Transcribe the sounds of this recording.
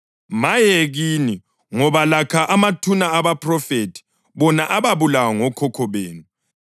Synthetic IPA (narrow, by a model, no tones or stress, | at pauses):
majeɣini | ŋɔβalakʰaʔamatʰunaːβapʼrɔfetʰi̥ | βɔnaʔaβaβulawaŋɔkʰɔkʰɔβeːnu